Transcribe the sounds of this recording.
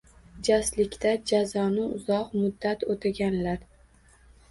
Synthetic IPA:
d͡ʒaslɪkʲt̪ad͡ʒazɒnɪʊzɒqmʊd̪ːat̪ot̪ʰɪɡʲanlaɾ

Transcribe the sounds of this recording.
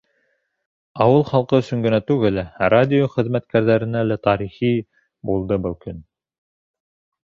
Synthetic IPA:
ɑwɤlˠχɑlˠqɤɵ̆sɵ̆ŋɡɘ̆næt̪ʉɡɘlæɾad̪ʲɪjoχɘ̆ðmæt̪kæɾðæɾɘ̆nælæt̪ɑɾiχi | bulˠd̪ɤbɘlˠkɵn

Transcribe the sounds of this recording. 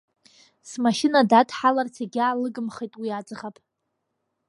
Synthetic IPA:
smaʃɪnadatʰʼħalart͡sʰeɡʲaːlɨɡɨmχejtʼwiat͡sʼʁapʼ

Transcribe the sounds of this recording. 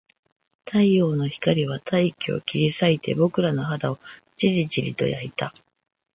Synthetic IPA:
t̪ʰaio̞ːno̞çi̥kaɾʲiβat̪ʰaikʲio̰kʲiɾʲisait̪e̞̰bo̞kɯ̟ɾano̞ɦad̪ao̞ | t͡ɕiɾit͡ɕiɾʲḭt̪o̞̰jait̪a

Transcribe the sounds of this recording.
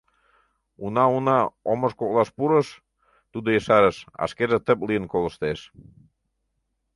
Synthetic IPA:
unɑunɑoməʃkok̚lɑʃpuɾəʃ | t̪ud̪ojəʃɑɾəʃɑ̰ʃkerʒet̪əp̚lijənkolə̆ʃt̪eʃ

